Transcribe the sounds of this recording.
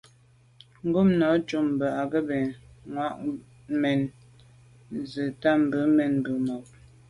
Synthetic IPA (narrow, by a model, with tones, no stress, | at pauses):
ŋ̩˦ɡu˦˨mnɔ˨˦t͡ʃu˦˨m̩˨bə˨a˨ɡə˦bɛ˨ | ŋwa˦ʔ | mɛ˨n | zə˨ta˦m̩˨bə˨˦mɛ˨n˨bə˨mɔ˨p̚